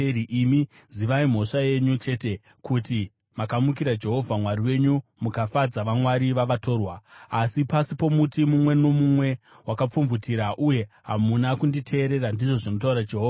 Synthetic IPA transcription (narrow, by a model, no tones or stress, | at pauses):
iʔimi | ziʋaim̤o̞ʂajeɲut͡ʃe̞te̞ | kuti | makamukiɾad͡ʒe̞ɦo̞vʱamwariwe̞ɲumukafad͡zaʋamwaɾiʋaʋato̞ːrwaːsipasipo̞mutimumwe̞no̞mumwe̞ | wakap͡fumvutʰiɾaʔuje̞ɦamunakunditʰe̞ːɾe̞ɾandiʐo̞ʐino̞tauɾad͡ʒe̞ɦoːva